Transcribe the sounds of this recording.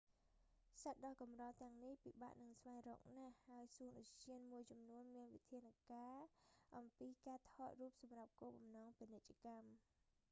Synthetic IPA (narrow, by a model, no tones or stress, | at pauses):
sət̪̚ɗɑkɑmrɑːt̪ɛ̆əŋnihpiɓa̰ːʔnɨŋsʋaɛŋrɔ̰ːk̚nahːaəjsuənɗʊct͡ɕiənmuəjt͡ɕɑmnuənmiənʋit̪ʰiənakaːʔɑmpiːkaːt̪ʰɑːt̪̚ruːp̚sɑmrap̚koːɓɑmnɑːŋpinɨc̚t͡ɕĕəkam